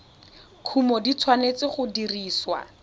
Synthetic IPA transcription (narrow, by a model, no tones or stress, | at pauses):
kʰumɔdit͡sʰwanet͡sɪχʊdiriːswa̰